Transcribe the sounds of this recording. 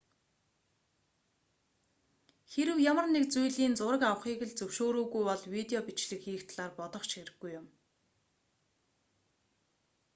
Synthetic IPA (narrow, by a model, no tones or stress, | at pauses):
xeɾɘ̆wjamə̆rnekt͡sujɮiːnt͡sʊɾə̆kaw̆χiːɣɘ̆ɮt͡sɵwʃoːɾoːɣujɔɮwit̪eɔpit͡ɕɮɘ̆kxiːxt̪ʰɮaːrpɔt̪ɞ̆χt͡ɕxeɾɘ̆ɡːujːʊm